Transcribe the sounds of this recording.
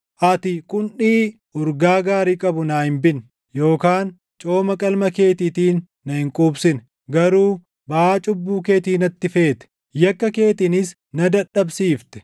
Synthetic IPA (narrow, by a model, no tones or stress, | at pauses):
ʔɐt̪ɪkʼʊnʔiː | ʊɾɡaːɡaːɾiːkʼɐbʊnaːhɪmbɪn | jo̞ːkaːn | t͡ʃʼo̞ːmɐkʼɐlmɐke̞ːt̪ɪt̪iːnːɐhɪŋkʼuːbsɪn | ɡɐɾuː | bɐaːt͡ʃʼʊbːuːke̞ːt̪iːnɐt̪ːɪfe̞ːt̪ɛ̥ | jɐkːɐke̞ːt̪ɪnɪs | nɐd̪ɐᶑːɐbsiːft̪ɛ̥